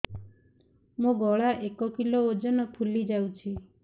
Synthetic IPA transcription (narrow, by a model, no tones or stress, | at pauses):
mũɡɔɭaʔekɔkilood͡ʒɔnɔpʰulid͡ʒawt͡ʃʰi